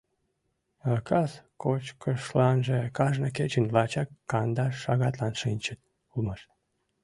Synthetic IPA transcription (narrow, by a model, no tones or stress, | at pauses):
ɑkʰɑskot͡ɕkʰəʃlɑnʒekɑʒnəket͡ɕənlɑt͡ɕɑkːɑnd̪ɑʃɑɣɑt̪lɑnʃinʲt͡ɕət̪̚ | ulmɑʃ